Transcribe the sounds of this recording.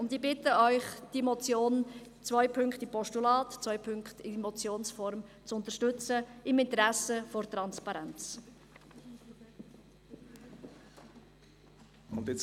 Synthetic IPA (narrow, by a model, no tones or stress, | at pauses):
ʊndibɪtəœʏχd̥imɔt͡sjoːnt͡svœʏpʰʏŋkχtɪpʰɔʃtulɑːtt͡sʋœʏpʰʏŋkt̪ɪmɔt͡sjoːnsfɔɾmt͡sʊnt̪əʃtʏt͡səɪmɪnt̪əɾæsəfɔrt̪ɾɑnspɑɾɛnt͡s | ʊndɪt͡s